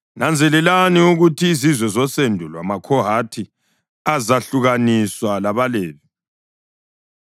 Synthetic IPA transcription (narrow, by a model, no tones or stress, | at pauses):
nʔand͡zʱɛlɛlaniuɣutʰiːzizwɛzɔsendʱulwa̰makʰɔɦatʰi | azaɬuɣaniswalaβaleːβi